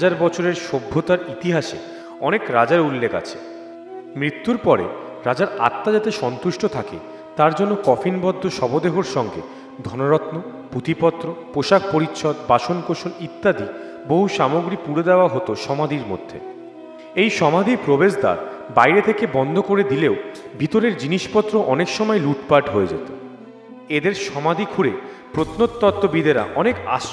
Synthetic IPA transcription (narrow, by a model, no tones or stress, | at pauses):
ad͡ʑaɾbɔt͡ɕʰoɾeɾʃobʱːot̪aɾit̪iɦaʃḛ | ɔnekɾad͡ʑaɾulːeka̰t͡ɕʰe̥ | mɾit̪ːuɾpɔɾḛ | ɾad͡ʑaɾa̰t̪ːad͡ʑat̪eʃɔnt̪uʃʈot̪ʰakḛ | t̪aɾd͡ʑonːokɔfʰinbɔd̪ʱːoʃɔbʱod̪eɦoɾʃɔŋɡḛ | d̪ʱɔnoɾɔt̪no | put̪ipɔt̪ːɾopoʃak̚poɾit̪ːʃɔd̪baʃonkoʃonit̪ːad̪i | boɦuʃamoɡɾipuɾed̪eoaɦot̪oʃɔmad̪ʱiɾmo̰d̪ʱːḛ | ejʃɔmad̪ʱipɾobeʃd̪a̰ɾbajɾet̪ʰekebɔnd̪ʱokoɾed̪ileobʱit̪oɾeɾd͡ʑiniʃpɔt̪ːɾoʔɔnekʃɔmɔeluʈpaɾʈɦoed͡ʑḛt̪o | ed̪eɾʃɔmad̪ʱikʰuɾe | pɾot̪not̪̚t̪ɔt̪ːobid̪ʱeɾa̰ʔɔneka̰ʃ